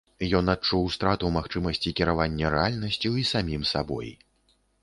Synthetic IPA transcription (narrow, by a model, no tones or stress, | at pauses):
jɔn̪at͡ʂuwst̪ɾat̪uwmaxt͡ʂɨmɐsʲt͡sʲikʲiɾavanʲːɐɾɛalʲnɐsʲt͡sʲuisamʲimsabɔ̰j